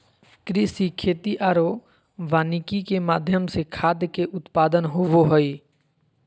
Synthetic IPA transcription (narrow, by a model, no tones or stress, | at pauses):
kɾɪsikʰeːt̪iʔaːɾo | ʋaːnikikemaːd̪ʱjəmsekʰaːd̪ʱjkeʔʊt̪paːd̪ənɦʊʋoɦoi